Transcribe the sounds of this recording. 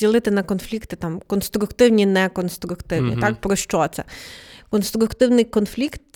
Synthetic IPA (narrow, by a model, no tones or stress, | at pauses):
ilˠɪt̪ɪnɐkɔnflʲikt̪ɪt̪ɑmkɔnst̪ɾʊkt̪ɪwnʲinɛkɔnst̪ɾʊkt̪ɪwnʲḭt̪ak̚pɾɔʃt͡ʃɔt̪sɛ̰kɔnst̪ɾʊkt̪ɪwnɪjkɔnflʲikt̪